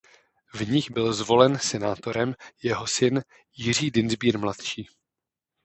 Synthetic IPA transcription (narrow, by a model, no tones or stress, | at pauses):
vɲɪxbɪlzvo̞lɛnsɛnaːt̪o̞ɾɛmjɛɦo̞sɪn | jɪr̝iːdɪnzbiːɾmlat̪ʃiː